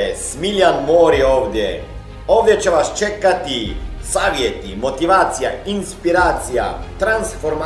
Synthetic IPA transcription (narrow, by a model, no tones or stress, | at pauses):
smiljanmoːɾioːʋd̪je | oːʋd̪jɛt͡ʃɛʋast͡ʃekat̪isaːʋjet̪imot̪iʋaːt̪sijainspiɾaːt̪sija̰t̪ɾansfoɾma